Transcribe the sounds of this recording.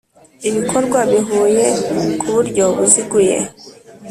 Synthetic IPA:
iβikʰɔɾɡwabiɦujekʰuβuɾɟɔβusiɡujɛ̰

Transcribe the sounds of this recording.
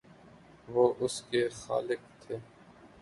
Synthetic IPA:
ʋoːʔʊskexa̰ːlɪkt̪ʰeː

